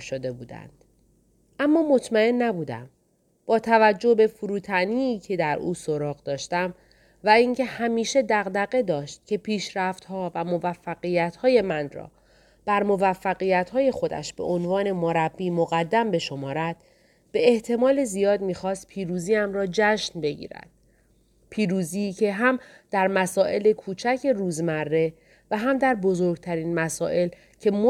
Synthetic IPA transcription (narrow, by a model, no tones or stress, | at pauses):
ʃod̪e̞buːd̪æ̰nd̪̥ | ʔæmːɒːmo̞t̪ʰmæe̞nːæbuːd̪æ̰m | b̥ɒːt̪ʰævæd͡ʒːo̞hbe̞fuɾuːt̪ʰæniːcʰe̞d̪æɾṵːsoɾɒːɣd̪ɒːʃt̪æm | væiŋcʰe̞hæmiːʃe̞d̪æɣd̪æɣe̞d̪ɒːʃt̪̚cʰe̞pʰiːʃɾæft̪hɒːvæmo̞væfːæɣijæt̪hɒːje̞mænrɒ̰ː | b̥æɾmo̞væfːæɣijæt̪hɒːje̞xo̞d̪æ̰ʃb̥e̞̰ʔonvɒːne̞moɾæbːiːmoɣæd̪ːæmbe̞ʃo̞mɒːɾæd̪̥̚ | b̥e̞eht̪ʰe̞mɒːle̞zijɒːd̪miːxɒːst̪̚pʰiːɾuːziːæmrɒːd͡ʒæʃnbe̞ɟḭːɾæ̰d̪̥̚ | pʰiːɾuːziːcʰe̞ɦæmd̪̥æɾmæsɒːʔe̞le̞kʰuːt͡ʃʰæcʰe̞ɾuːzmærːe̞ | væɦæmd̪æɾbo̞zo̞ɾɡ̚t̪ʰæɾiːnmæsɒːʔe̞l | cʰe̞m